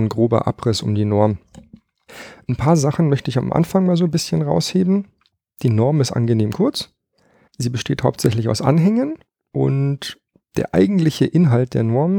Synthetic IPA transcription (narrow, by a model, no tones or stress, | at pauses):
nɡʁoːbɐ̰ʔa̰pʁ̥ɪsʊmdiːnɔɐm | ʔnpʰaːɐzaχn̩mœçtəɪça̰mʔa̰nfaŋmaːlzoːnbɪsçənʁa̰ʊsheːbm̩ | d̥iːnɔɐmɪstʔa̰nɡəneːmkʰʊɐt͡s | ziːbəʃteːthaʊptz̥ɛçlɪça̰ʊsʔa̰nɦɛŋən | ʔʊ̰nt | d̥eːɐʔa̰ɪɡŋ̩tlɪçəʔɪnɦalt̚d̥ḛːɐnɔɐmən